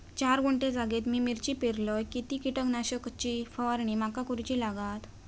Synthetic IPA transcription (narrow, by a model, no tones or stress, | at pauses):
t͡ɕaɾɡuɳʈẽd͡zaɡet̪miːmiɾt͡ɕipeɾlɔjkit̪ikiʈəknaɕəkt͡ɕifəʋaɾɳ̃imakakuɾt͡ɕiːlaɡat̪